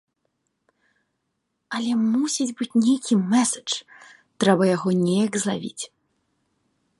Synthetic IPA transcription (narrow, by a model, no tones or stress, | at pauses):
ɐlʲɛmusʲid͡zʲbɨt͡sʲnʲejkʲʰimɛsɐ̥t͡ʂ | t̪ɾɛbɐjaɣɔnʲɛjɐkzlˠa̰vʲḭt͡sʲ